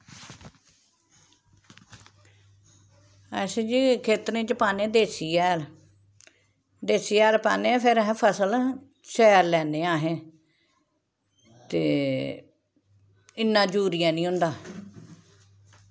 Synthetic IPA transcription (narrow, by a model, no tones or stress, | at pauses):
əsed͡ʒiːkʰeːt̪ɾẽːt͡ʃəpaːnẽːd̪eːsiːɛːɾ | d̪eːsiːɛːɾpaːnẽːpʰɪɾɦpʰəsəl | ʃɛːɾlɛːneːaːɦẽː | t̪eː | ɪnːãːd͡ʒuːɾijãːnĩːɦʊ̃nd̪aː